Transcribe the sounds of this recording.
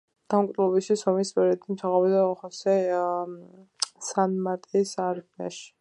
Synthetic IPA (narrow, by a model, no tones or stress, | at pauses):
d̪̥amk̪ʼɛlˠɔbiʃisɔmispʼɛɾiɛt̪ʰimsʰaʁɔbid̪aɔχɔsɛ | sanmat̪ʼisaɾmia̰ʃi̥